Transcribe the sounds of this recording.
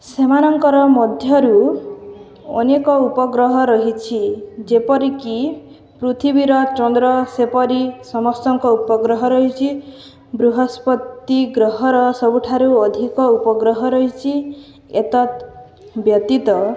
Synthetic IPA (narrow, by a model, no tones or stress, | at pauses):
semanɔŋkɔɾɔmɔd̪ʱjɔɾu | ɔ̰nekɔupɔɡɾɔɦɔɾɔɦit͡ʃʰid͡ʒepɔɾiki | pɾut̪ʰibiɾɔt͡ʃɔnd̪ɾɔsepɔɾisɔmɔst̪ɔŋkɔupɔɡɾɔɦɔɾɔɦit͡ʃʰi | bɾuɦɔspɔt̪ːiɡɾɔɦɔɾɔsɔbuʈʰaɾuɔd̪ʱikɔupɔɡɾɔɦɔɾɔɦit͡ʃʰi | et̪ɔt̪ | bjɔt̪it̪ɔ